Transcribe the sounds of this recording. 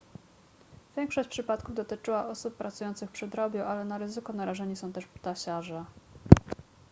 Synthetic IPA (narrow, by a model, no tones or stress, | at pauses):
vʲjɛŋkʂɔɕt͡ɕʲpʂɘpat̪kuvd̪ɔt̪ɘt͡ʂɘwaʔɔsupːɾat̪sujɔnt̪sɘxpʂɘd̪ɾɔbʲjuʔalɛnaɾɘzɘkɔnaɾaʐɛɲisɔ̃w̃t̪ɛʂpt̪aɕaʐɛ